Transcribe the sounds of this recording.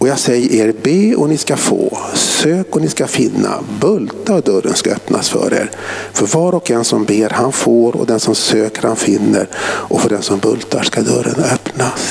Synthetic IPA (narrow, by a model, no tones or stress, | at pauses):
ɔjaːɡsɛjːəʔeːɾbeːɔnɪskafo̰ːsøːkɔnɪskafɪnːa̰bɵlt̪aɾɔd̪œɾːənskaœpnasfœ̰ɾḛːɾfœɾvɑːɾɔkɛnsɔmbeːɾhanfoːɾɔ̰d̪ɛnsɔmsøːkəɾhanfɪnːə̰ɾʔɔfœɖɛnsɔmbɵlt̪aʂkad̪œɾːə̰nœpnas